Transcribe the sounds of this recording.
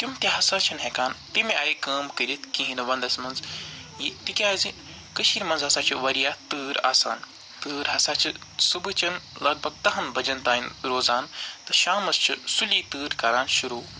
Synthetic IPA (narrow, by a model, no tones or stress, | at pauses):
t̪ʲjumt̪ʲiɦɐsaːt͡ʃʰɐnɦɛkaːnt̪imeɐːjkɐːmkɨɾit̪̚ʰkĩɦinɨʋɐnd̪ɐsmɐnz | jit̪ikʲaːzi | kɨʃiːɾmɐnzɦɐsaːt͡ʃʰiʋɐɾijaːt̪ɨːɾa̰ːsaːn | t̪ɨːɾɦɐsaːt͡ʃʰɨ | subɨt͡ʃʰɐnlɐɡ̚bʱɐɡ̚t̪ɐɦɐnbɐd͡ʒɐnt̪aːinɾoːzaːnt̪ɨʃaːmɐst͡ʃʰɨsuliːt̪ɨːɾkɐɾaːnʃuɾuː